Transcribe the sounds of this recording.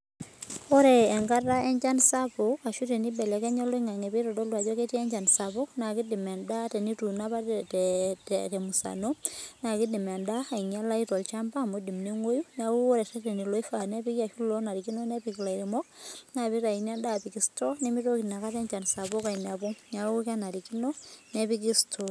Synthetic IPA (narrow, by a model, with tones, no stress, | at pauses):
ɔ˦ɾɛː˨ŋɡa˦ta˦ɛ˦ɲd͡ʒa˦nsa˦po˨a˨ʃu˦ɾi˨ni˦bɛ˨lɛ˨kɛ˦ɲɔ˦lɔ˦i˦ŋa˨ŋɛ˨pi˦ɾɔ˨dɔ˦lwa˨d͡ʒɔ˦ke˦ti˦ɛ˦ɲd͡ʒa˨nsa˨bɔ˦na˨ki˦di˨mɛ˨nda˦tɛ˨ni˦tu˨na˦pa˦tttɛ˨mu˨sa̰˨no˦na˨ki˦di˨mɛ˨nda˦a˨i˨ŋa˦la˦i˦tɔ˨lt͡ʃa˦mba˦˨mo˦di˨mne˦ŋwo˦ju˦ɲa˨u˦o˦ɾɛ˨tɛ˦ɾe˨ni˨lo˦i˦fa˨nɛ˦pi˦ki˦a˨ʃu˦lo˦na˨ɾi˨ki˦no˦ne˦pi˨ki˨la˨iɾe˨mo˦k̚ŋa˨βi˦ɾa˨i˨n˦a˦nda˦˨pi˨ki˦sto˦ne˦mi˦ɾo˦ki˨na˨ka˦tɛ˦ɲd͡ʒa˨nsa˨βo˦ka˨i˨na˨bo˦ɲa˨˦u˦ka˦na˨ɾiki˦no˦ne˦pi˦ki˦stʰo